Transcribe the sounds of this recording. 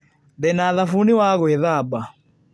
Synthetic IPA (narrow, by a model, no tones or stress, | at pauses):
dɛnaðafuniwaɣɔɛðaba